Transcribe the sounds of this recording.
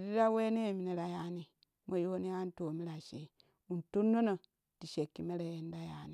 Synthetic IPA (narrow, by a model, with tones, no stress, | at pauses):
ɾi˦ɾa˦we˦ne˦˨mi˨ne˨ɾa˨ja˨˦ni˨ | mo˨jo˦o˦ni˦a˦n˦to˨mi˦ɾa˨ʃe˨˦ | u˨n˨tu˦nːo˦no˨ | ti˨ʃe˨kːi˨me˦ɾe˨je˦n˦da˦jaː˨˦ni˨